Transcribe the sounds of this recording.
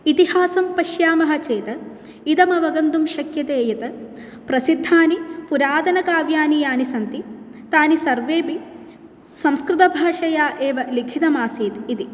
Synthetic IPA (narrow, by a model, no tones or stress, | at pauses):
it̪ihaːsɐmpɐʃjaːmɐɦɐt͡ʃeːt̪ɐ | id̪ɐmɐʋɐɡɐnd̪umʃɐkjɐt̪eːjɐt̪ɐ | pɾɐsid̪ʱːaːnipuɾaːd̪ɐnɐkaːʋjaːnijaːnisɐnt̪it̪aːnisɐɾʋeːpi | sɐ̃mskɾɪt̪ɐbʱaːʂɐjaːʔeːʋɐlikʰit̪ɐmaːsiːt̪id̪i